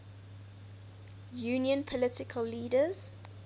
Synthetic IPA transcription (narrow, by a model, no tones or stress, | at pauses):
juːnjə̃npʰɔlɪtɪkʰəlːiːdəz̥